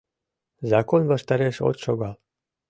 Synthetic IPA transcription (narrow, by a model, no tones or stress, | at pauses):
zɑkonvaʃt̪aɾeʃo̰t̪ʃoɡɑl